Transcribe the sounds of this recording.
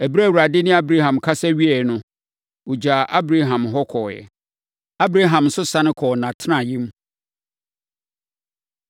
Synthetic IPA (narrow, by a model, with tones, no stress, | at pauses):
æ˨bi˦ɾæ˦˨wu˨ɾa˨dɪ˦nɪ̃˦a˦bɾa˦ɦã˨mkʰa˦sɛ˦ɥi˦ɛ˨nʊ̃˦ | wʊ˨d͡ʑa˨ʔa˦bɾa˦ɦã˨mɦɔ˦kʰɔː˨jɛ̰˨ | a˦bɾa˦ɦã˨m̩˨sʊ˦sã˦nɪ̃˦kʰɔː˨nã˨tʰɪ˦nã˨jĩ˦m˦